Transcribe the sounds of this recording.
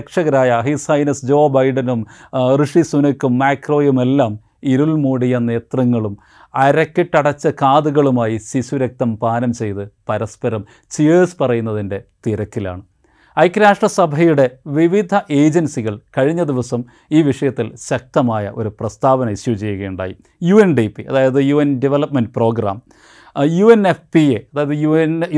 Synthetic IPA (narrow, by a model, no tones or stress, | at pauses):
kʂɐɣɐɾaːjɐɦisɐjnɐsd͡ʑo̞ːbɐjɖɐnumrɨʂisunɐkːumːaːkro̞ːjume̞lːaːm | iɾulmuːɽijɐne̞ːt̪rɐŋːɐɭum | ɐɾɐkːiʈːɐɽɐt͡ɕːɐkaːd̪uɣɐɭumaːjisisuɾɐk̚t̪ɐmpaːnɐmt͡ɕe̞jt̪ɨpɐɾɐspɐɾɐm | sieːspɐrɐjunːɐðinde̞t̪iɾɐkːila̰ːɳɨ | ɐjkːɾaːʂʈrɐsɐbʱɐjuɽe̞ʋiʋid̪ʱɐʔe̞ːd͡ʑɐnsiɣɐɭkɐɻiɲːɐd̪iʋɐsɐm | iːʋiʂɐjɐt̪ːilɕɐk̚t̪ɐmaːjɐʔo̞ɾuprɐst̪aːʋɐnɐiɕjut͡ɕe̞jːuɣɐjuɳɖa̰ːjḭ | juenɖipːiʔɐ̰ðaːjɐðɨjuːenɖiʋelɐpmenɖpro̞ːɡɾa̰ːm | juenefpieɐðaːjɐðɨjun